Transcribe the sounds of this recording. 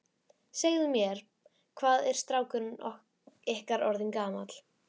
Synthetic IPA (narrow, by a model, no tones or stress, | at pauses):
seːɣðʏmjɛɾ̥ | kʰvaːðɛɾ̥st̪ɾaːwkʏnɔ | ɛhkaɾɔɾðɪnkaːmat̪l̥